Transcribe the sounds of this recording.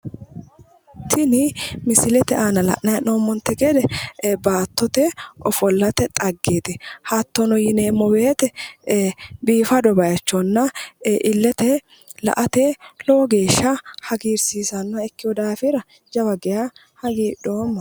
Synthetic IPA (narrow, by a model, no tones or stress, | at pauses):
t̪ʰɪnɪmɪsɪlɛt̪ɛʔaːnɐlɐ̰ʔnɐjɐnoːmːɔnt̪ːɛɡɛd̪ɛbaːt̪ːɔt̪ɛɔfɔlːɐt̪ɛt̪ʼɐɡːeːt̪ɛhɐt̪ːɔnɔjɪneːmɔbeːt̪ɛ | biːfɐd̪ɔbɐjɐt͡ʃːɔnːɐʔɪlːɛt̪ɛ | lɐ̰ʔɐt̪eloɡe̞ːʃːɐhɐɡiːɾsiːsɐnːɐɛkːɪjɔd̪aːfɪɾɐ | d͡ʒɐbɐɡɛja | hɐɡiːɗoːmːɐ